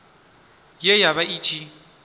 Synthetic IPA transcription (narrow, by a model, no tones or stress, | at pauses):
jejaβaʔiːt͡ʃʼi